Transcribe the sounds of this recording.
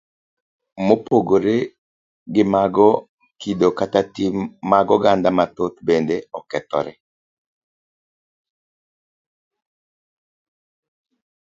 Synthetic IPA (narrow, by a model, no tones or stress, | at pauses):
mopoɡoɾe | ɡɪmaɡɔ | kidokatatimːaɡɔɡand̪amat̪ot̪bendeɔkɛt̪ɔ̰ɾɛ